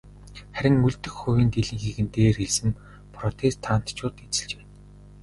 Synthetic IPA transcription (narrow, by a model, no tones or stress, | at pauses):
χæɾʲɪ̆ŋuɮt̪ɘ̆xxʊwʲiːnt̪eɮĭːŋxeɣɘ̆nt̪eːrxeɮsɘ̆m | pʰrɔt̪ʰest̪ʰːaːn̥t̪t͡ɕʰʊːt̪et͡sɘ̆ɮt͡ɕeː